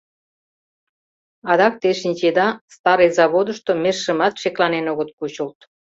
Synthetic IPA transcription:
ɑd̪ɑk̚t̪eʃinʲt͡ɕed̪ɑst̪ɑɾəjzɑβod̪ə̆ʃt̪omeʃːə̆mɑt̪ʃeklɑnenoɣət̪̚kut͡ɕəlt̪

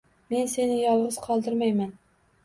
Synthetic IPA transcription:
me̞nse̞nɪjɒlˠʁɨz̥qʰɒlˠd̪ɪɾmajman

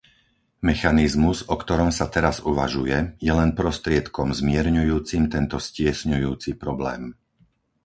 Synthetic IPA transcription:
mɛxanizmuzɔkt̪ɔɾɔmsat̪ɛɾazuʋa̰ʒujɛjɛlɛnpɾɔst̪ɾɪɛt̪kɔmzmɪɛɾɲujuːt͡simt̪ɛnt̪ɔscɪɛsɲujuːt͡sipɾɔblɛ̰ːm

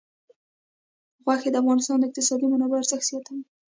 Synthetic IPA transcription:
ɣwaxed̪əafɣɑnɪst̪ɑnd̪əɪq̚t̪ɪsɑd̪imanabaaɾzəxt̪sjɑt̪awi

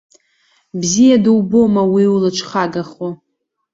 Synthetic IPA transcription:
bzijadɨwbomawiwlɨt͡ʃʷʰχaɡaχo

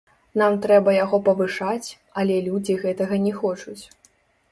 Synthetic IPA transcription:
namt̪ɾɛbɐjaɣɔpɐvɨʂat͡sʲ | ɐlʲɛlʲud͡zʲiɣɛt̪ɐɣɐnʲɛxɔt͡ʂut͡sʲ

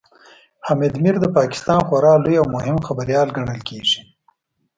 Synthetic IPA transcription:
hamed̪miɾd̪əpɑːkɪ̥st̪ɑːnxwaɾɑːlujawmʊhɪmxabəɾjɑːlɡɐɳəlkeːʐ̥i̥

